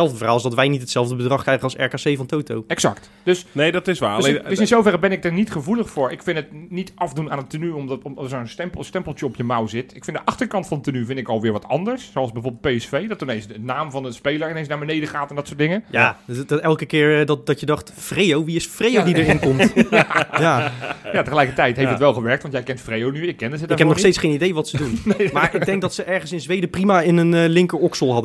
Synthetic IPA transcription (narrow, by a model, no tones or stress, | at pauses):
sɛlˠvdəvəraːlˠɪsdɔtʋɛjnitətsɛlˠvdəbədrɑχkrɛjɣənɑlˠsɛ̰ɹkaːsejvɑntowtowɛksɑ̰kt | d̥øsnedɔtɪsʋḁdøsɪnsowvɛrəbɛnɪk̚dəɹnitχəvulˠəχfʊːɹɪkfɪnətnitɑfdunaːnətːənyomtmdsənstɛmpˠstɛmplˠtjəɔpjəmawzɪtɪkfɪndəʔɑχtəɹkɑntfɑnətənyvɪndtɪkɔlˠʋɪːɹʋɑtɑ̰ndəɹssoɑlˠsbɛjvoːɹbəlˠtpejɛsfejdɔtnensdənaːmvɑndəspejlˠəɹɪnensnaɹbənejdəχaːtɛndɔtsʊːɹtdɪŋəjḁːtɛlˠkəkɪːɹdɔt̚dɔtjədɑχtfrejowʋiɪsfrejowdidəɹɪnkɔmtjaːjaːtəχəlɛjkətɛjtɦeftətʋɛlˠχəʋɛɹktʋɑntjɛjkɛntfrejownyjəkɛndəɦɛtɪkɛpnɔχstejtsχejnidejʋɑtsədunmaːɹɪɡdɛŋɡ̚dɔtsəʔɛɹχənsɪnzʋejdəprimaɪnənəlɪŋkəɹɔksəlˠɦɑdə